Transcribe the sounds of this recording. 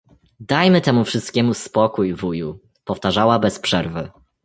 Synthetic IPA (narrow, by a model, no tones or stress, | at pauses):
d̪ajmɘt̪ɛmufʂɘst̪̚kʲɛmuspɔkujvuju | pɔft̪aʐawabɛspʂɛɾvɘ